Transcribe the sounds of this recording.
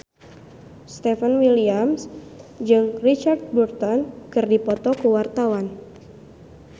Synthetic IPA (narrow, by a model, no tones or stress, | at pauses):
st̪ɛfənwiliamsd͡ʒɨŋrit͡ʃart̪̚burt̪ɔnkɨrdipɔt̪ɔkəwart̪awan